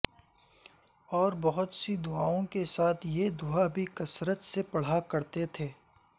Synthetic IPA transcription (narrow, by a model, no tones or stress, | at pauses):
ɔːɾbɐɦʊt̪sid̪ʊaːõkesaːt̪ʰjed̪ʊabʱikɐsɾət̪sepɐɽ̤akɐɾt̪et̪ʰeː